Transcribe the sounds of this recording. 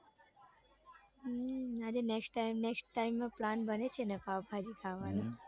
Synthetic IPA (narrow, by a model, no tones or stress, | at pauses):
ad͡ʒeneksʈːamnɛksʈʈaimːãplanbənet͡ʃʰenepabʱad͡ʒikʰaʋanũ